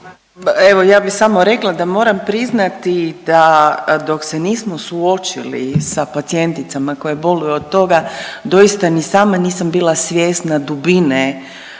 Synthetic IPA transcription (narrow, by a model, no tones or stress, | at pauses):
eʋo̞jaːbisamo̞ɾe̞klˠad̪amo̞ːɾampɾiznat̪id̪ad̪o̞kseniːsmo̞suo̞t͡ʃḭlḭsapat̪sie̞nt̪it̪samako̞jebo̞lujuod̪̚t̪ːo̞ɡad̪o̞jist̪anisaːmaniːsambiːlˠasʋʲjeːst̪nad̪ubine